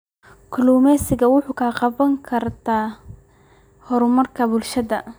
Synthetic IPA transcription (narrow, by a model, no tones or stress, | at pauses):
kʰluːmɛsɪɣɐwʊħuːkʰaːqɑβɐŋkʰɐrt̪ʰaː | hɔɾʊmɐrkʰɐbʊlʃɐðɐ